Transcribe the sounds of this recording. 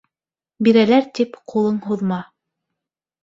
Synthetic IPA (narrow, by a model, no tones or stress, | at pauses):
biɾælæɾt̪ipqʰulˠɤɴɦuðmɑ